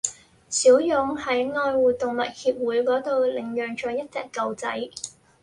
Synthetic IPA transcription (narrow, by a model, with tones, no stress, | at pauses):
siː˨˥wjʊ˨˥ŋhɐ˨˥jŋɔː˧jwuː˨˩t̪ʊ˨ŋmɐ˨t̚hiː˧p̚wuː˨˥jkɔː˨˥t̪o˨wlɪ˨˩ŋjœː˨ŋt͡ʃɔː˨˧jɐ˥t̚t͡sɛ̰ː˨˩kːɐ˨wt͡sɐ̰˨˥j